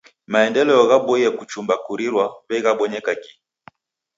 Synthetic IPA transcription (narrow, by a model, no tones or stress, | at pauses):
maɛndɛlɛɔɣaɓɔijɛkut͡ʃumbakuɾiɾwaβɛɣaɓɔɲɛkaki